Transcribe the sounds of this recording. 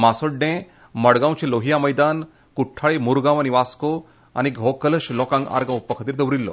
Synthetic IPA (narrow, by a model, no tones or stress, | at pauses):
masoɖːẽ | məɽɡãw̃t͡ɕeloɦijaməjd̪an | kuʈʰːaɭemuɾɡãʋaɽiʋasko | a̰ɽ̃iɡʱɔkələɕlɔkãŋɡa̰ɾɡãupːəkʰət̪iːɾd̪əʋɾilːɔ̰